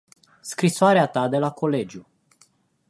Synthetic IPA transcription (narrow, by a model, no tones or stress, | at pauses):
skɾisoaɾeat̪ad̪e̞lakʰo̞le̞d͡ʒju